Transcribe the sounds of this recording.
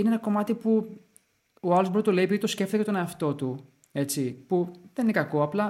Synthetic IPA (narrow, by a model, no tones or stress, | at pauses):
ineenɐko̞mɐt̪ipu | oɐlzboɾt̪ule̞ipiðit̪osce̞ft̪icet̪o̞ne̞ɐft̪o̞t̪u | e̞t͡sipuðeninekɐko̞ɐplɐ